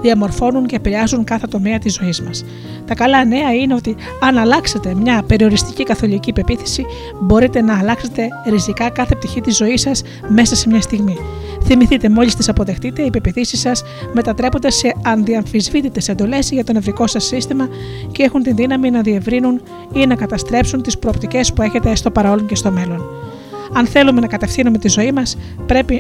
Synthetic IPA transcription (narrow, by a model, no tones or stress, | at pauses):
ðiɐmo̞ɾfo̞nuŋceːpiɾeɐzuŋkɐθe̞t̪o̞me̞ɐt̪izo̞izmɐs | t̪ɐkɐlɐne̞ɐine̞o̞t̪i | ɐnɐlɐkse̞t̪e̞mɲɐpe̞ɾio̞ɾist̪icikɐθo̞licipe̞piθi̥si | bo̞ɾit̪e̞nɐːlɐkse̞t̪e̞ɾisikɐkɐθe̞p̚t̪içit̪izo̞isɐs | me̞sɐse̞mɲɐst̪iɣmi | θimiθit̪e̞mo̞list̪isɐpo̞ðe̞xt̪it̪e̞ipe̞piθisisɐs | me̞t̪ɐt̪ɾe̞po̞nd̪e̞se̞ɐnðiɐɱfizvit̪it̪e̞se̞nd̪o̞le̞zʝɐt̪o̞ne̞vɾiko̞sɐsːist̪imɐ | cee̞xunt̪inðinɐminɐðie̞vɾinun | inɐkɐt̪ɐst̪ɾe̞psunt̪ispɾo̞opt̪ice̞spue̞çe̞t̪est̪o̞pɐɾɐoloɲce̞st̪o̞me̞lo̞n | ɐnθe̞lume̞nɐkɐt̪e̞fθinume̞t̪izo̞imɐs | pɾe̞pi